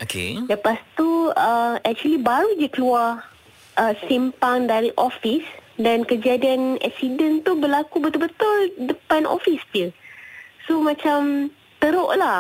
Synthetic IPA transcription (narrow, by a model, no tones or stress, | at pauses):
okḛləpast̪uəɛk̚t͡ʃuəlibaɾud͡ʒəkəlua | ʔəsimpaŋdaɾiʔofisdankəd͡ʒadianɛ̰k̚sidənt̪ubəlakubət̪ʊlbət̪ʊldəpano̰fisd͡ʒə | somãt͡ʃam | t̪əɾoʔlah